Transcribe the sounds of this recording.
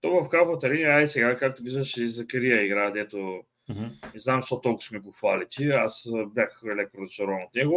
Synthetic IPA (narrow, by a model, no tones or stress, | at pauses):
t̪ɔvɐfkafvət̪ɐɾinaisɛɡakak̚t̪ʊviʒɐʃizɐkɐɾijəiɡɾad̪ɛt̪o | nɛznamʃt̪ɔt̪ɔlˠkʊ̥smɛɡoxvalit̪ʲiasbjaxɛlɛk̚t̪ɾot͡ʃ̪oɾɔvnot̪nɛɡo